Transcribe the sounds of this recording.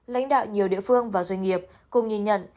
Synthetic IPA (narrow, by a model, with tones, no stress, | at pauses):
la̰˧˥jŋ̟ɗa̰ː˧˨wɲi˨˩əwɗḭ˧˨əfɨ˧əŋvaː˨˩zwa˧jŋ̟ŋi˨˩əp̚ | kʊ˨˩ŋ͡mŋi˧˩nɲə̰˧˨n